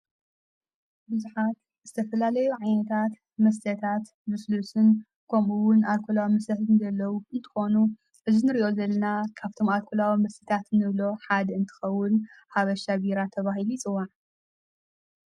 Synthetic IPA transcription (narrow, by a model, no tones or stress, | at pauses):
bɨzuħat̪̚ | zɨt̪ʰɐfɐlalɐjuʕajnɐt̪ʰat̪ | mɐs̬t̪ʰɐt̪ʰat̪ | mɨslusɨn | kʰɐmuwʊnalkʰulawimɐsɐt̪ɨnzɐlːɐwuɨnt̪ʰɨ̥xo̞nu | ʔɨzinɨɾiʔo̞zɐlːɐnakʰaβt̪ʰo̞malkʰulawimɐst̪ʰɐt̪ʰat̪nɨβlo̞ħad̪ɨnt̪ʰɨ̥xɐwːʊnhaβɐʃabiɾat̪ʰːɐβaɦilujt͡sʼɨwːaʕ